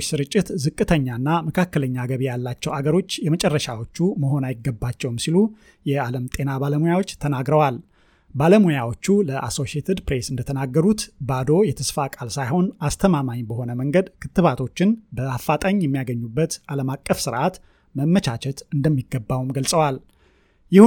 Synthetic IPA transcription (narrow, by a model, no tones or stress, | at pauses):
sɨɾɨt͡ʃʼːɪt̪zɨkʼːɨt̪ʰəɲːanːaməkʰakːələɲːaɡəβijalːat͡ʃːɛwaɡəɾo̞t͡ʃːjɛmət͡ʃʼɛrːəʃawo̞t͡ʃːuməɦo̞najɪɡːəbːat͡ʃːɛwmsilu | jɛaləmt̪ʼe̞nabaləmojawot͡ʃːt̪ʰənaɡɾəwal | baləmojawo̞t͡ʃːuləʔaso̞ʃiet̪ʰəd̪pɾesɨnd̪ət̪ʰənaɡːəɾut̪bad̪o̞jɛt̪ʰəsfakʼalsajho̞nast̪ʰəmamaɲbəho̞nəməŋɡəd̪kʰɨt̪ːɨβat̪ʰo̞t͡ʃːɪnbəafːat̪ʼaɲjɛmːijaɡəɲːubːət̪ʔaləmakʼːəfsɨɾʔat̪ | məmːət͡ʃʰat͡ʃɛt̪ɨnd̪əmːiɡːəbːawumɡəlsʼəwal | jɪh